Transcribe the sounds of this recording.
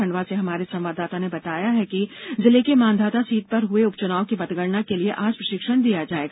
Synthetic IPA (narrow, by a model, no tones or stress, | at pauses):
ɐ̃ɳɖʋaseɦɐmaːɾesɐ̃mʋaːd̪aːt̪anebɐt̪aːjaɦɛkizɪlekemãːnd̪ʱaːt̪asiːt̪̚pɐɾɦʊeʊpt͡ʃʊnaːokibɐt̪ɡəɾnakelieʔaːd͡ʒpɾɐʃɪkʃəɽ̃d̪ijad͡ʒaːeːɡaː